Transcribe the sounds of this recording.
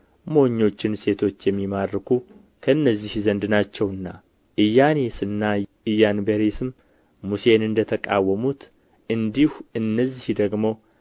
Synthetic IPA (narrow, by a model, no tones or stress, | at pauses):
mo̞ɲːo̞t͡ʃːɪnse̞t̪ʰo̞t͡ʃːjɛmːimaɾːkʰu | kʰəɨnːəzːihzənd̪ɨnat͡ʃːɛwɨnːa | ʔɨjːanesɨnːa | ɨjːanbeɾesɨm | muse̞nɨnd̪ət̪ʰəkʼa̰wːəmut̪ | ʔɨnd̪ihuɨnːəzːihd̪əɡmo̞